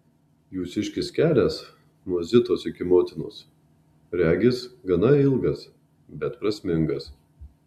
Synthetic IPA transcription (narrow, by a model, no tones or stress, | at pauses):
juːsʲɪʃʲkʲɪsʲkʲæːlʲæs | nuɔzʲɪt̪oːsɪkʲɪmoːt̪ʲɪno̰ːs | ɾʲæːɡʲɪsɡɐnɐɪlˠɡɐs | bʲɛt̪pɾɐsʲmʲɪŋɡɐs